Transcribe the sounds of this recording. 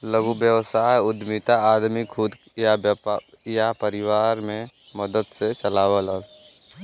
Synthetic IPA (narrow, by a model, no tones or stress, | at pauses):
ləɡubjəwsaːjʊd̪mit̪aaːd̪mikʰʊd̪ | jab | japəɾɪwaːɾmẽ | məd̪əd̪set͡ʃəlaːwələl